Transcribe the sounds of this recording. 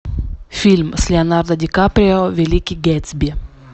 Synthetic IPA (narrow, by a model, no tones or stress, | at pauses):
fʲilʲmsʲlʲɪɐnard̪ɐdʲɪkapɾʲɪovʲɪlʲikʲiɡʲɛt̪sbʲi